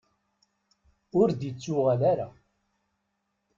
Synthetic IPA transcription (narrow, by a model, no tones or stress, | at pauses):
ʊɾd̪it͡sːʊʁalaɾa